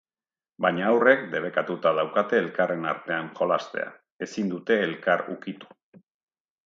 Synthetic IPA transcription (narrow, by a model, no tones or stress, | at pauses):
baɲaːwre̞kd̪e̞β̞e̞kat̪ut̪að̞awkat̪e̞ːlkare̞naɾt̪e̞aŋxo̞last̪e̞̰a̰ | e̞sind̪ut̪e̞ːlkaɾṵkit̪u̥